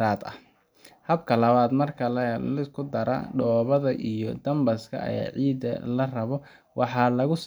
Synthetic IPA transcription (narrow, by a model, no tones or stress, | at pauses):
ɾaːd̪ɐ̰ | hɐbkʰɐlɐβaːd̪mɐrkʰɐlɐlɪkʰʊd̪ɐɾɐ̰ɖɔːβɐðɐʔijɔd̪ɐmbɐskʰɐ̰ɐ̰ja̰ːʕiːd̪ɐ̰lɐrɐβɔ | wʔɑħɑːlɐɣʊs